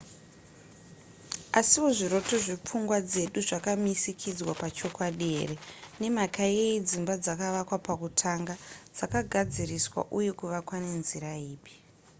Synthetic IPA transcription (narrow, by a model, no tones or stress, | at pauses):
asiʋoʐiɾo̞to̞ʐip͡fuŋɡwad͡ze̞ɗuʐakamisikʰid͡zwapat͡ʃo̞kwaɗieːrene̞makaeid͡zimbad͡zakaʋakwapakutʰaŋɡad͡zakaɡʱad͡ziriswa̰ʔuje̞kuʋakwane̞nziɾaiːɓi̥